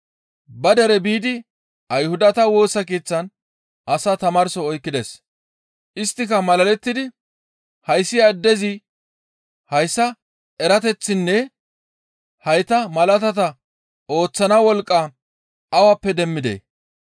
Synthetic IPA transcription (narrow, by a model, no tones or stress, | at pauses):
bɐd̪ɐɾɛbiːd̪ɪ | ʔɐjhʊd̪ɐt̪ɐwo̞ːsɐkeːt͡sːɐn | ʔɐsat̪ɐmɐɾsɔːjkːɪd̪es | ʔɪst̪ːɪkɐmɐlɐlɛt̪ːɪd̪ɪ | hɐjsːɪjaːd̪ːɛzɪ | hɐjsːɐ | ɛɾɐt̪ɛt͡sːɪnːɛ | hɐjt̪ɐmɐlɐt̪̬ɐt̪ɐ | o̞ːt͡sːɐnɐwɔlkʼːa | ɐwapːɛd̪ɛmːɪd̪ḛː